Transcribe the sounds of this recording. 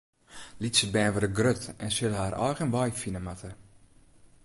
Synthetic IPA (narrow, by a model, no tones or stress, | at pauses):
lisəbɛːnʋəɾəɡrøtɛnsɪləɦaːɾʔɔ̰jɣənʋɔjfinəmatʰə